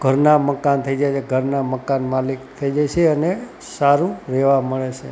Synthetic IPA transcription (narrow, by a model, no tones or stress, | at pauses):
ɡ̥ʱəɾnaməkant̪ʰəid͡ʒajt͡ʃʰeɡʱəɾnaməkanmalikt̪ʰəid͡ʒajt͡ʃʰeəne | saɾũɾɛʋaməɭet͡ʃʰe